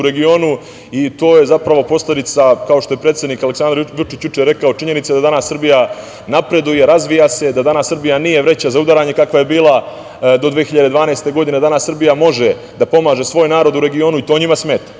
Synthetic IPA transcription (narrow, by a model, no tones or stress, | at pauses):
uɾe̞ɡio̞ːnu | it̪o̞ːje̞zapɾaʋo̞po̞sle̞d̪it̪sakao̞ʃt̪oje̞pɾet̪sje̞d̪nikaleksand̪ɾʋut͡ʃit͡ɕjut͡ʃeɾe̞kao̞t͡ʃiɲe̞nit̪sed̪ad̪anasrbija | napɾe̞d̪uje̞ɾazʋijase̞d̪ad̪anasːr̩bijanije̞ʋɾe̞t͡ɕazaud̪aɾaːɲe̞kakʋaje̞biːlˠa | d̪o̞d̪ʋeexiʎad̪e̞d̪ʋaːneest̪e̞ɡo̞d̪ine̞d̪anasr̩bijamo̞ʒe̞ | d̪apo̞maːʒe̞sʋo̞ːjnaːɾo̞d̪uɾe̞ɡio̞ːnuit̪o̞ːɲimasme̞ːt̪ḁ